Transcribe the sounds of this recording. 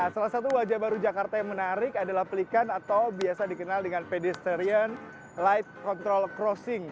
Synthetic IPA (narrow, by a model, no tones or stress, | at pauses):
asalasat̪̬uwad͡ʒabaɾud͡ʒakart̪ajaŋmənaɾɪkadalahplikanat̪awbiasadikənaldəŋanpedɛst̪əɾiən | lajt̚kɔnt̪ɾɔlkɾɔsɪŋ